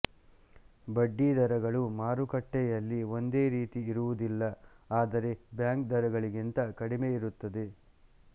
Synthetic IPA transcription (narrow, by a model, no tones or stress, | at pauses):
bɐɖːid̪ɐɾɐɡɐɭumaːɾukɐʈːɛjɐlːio̞nd̪e̞ːɾiːt̪iːɾuʋud̪ilːɐ | aːd̪ɐɾe̞bjaːŋkd̪ɐɾɐɡɐɭiɡint̪ɐkɐɽimeiɾut̪ːɐd̪e